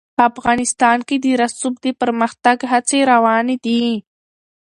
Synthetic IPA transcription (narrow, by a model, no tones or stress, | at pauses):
pəafɣɑnɪst̪ɑnked̪əɾasub̚d̪əpəɾməxt̪aɡɦat͡seɾawɑned̪i